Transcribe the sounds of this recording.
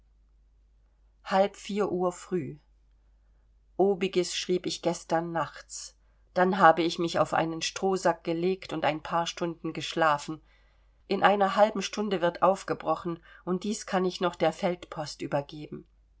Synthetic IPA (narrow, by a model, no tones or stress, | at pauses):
halpfiːɐʔuːɐfʁ̥yː | ʔoːbɪɡəsʃʁ̥iːpɪçɡ̥ɛstɐnːaχt͡s | d̥anɦaːbəɪçmɪça̰ʊfʔa̰ɪnənʃtʁ̥oːzak̚ɡ̥əleːktʊntaɪnpʰaːɐʃtʊndn̩ɡəʃlaːfn̩ | ʔɪnʔaɪnɐɦalbm̩ʃtʊndəvɪɐtʔaʊfɡ̥əbʁɔχn̩ʔʊnt̚d̥iːskʰanɪçnɔχd̥eːɐfɛltpʰɔstʔyːbɐɡeːbm̩